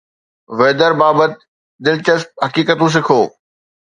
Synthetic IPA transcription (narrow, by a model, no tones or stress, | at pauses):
ʋeːd̪əɾbaːbət̪̚ | d̪ɪlt͡ɕəsp̚ɦɐkiːkət̪ũs̬ɪkʰoː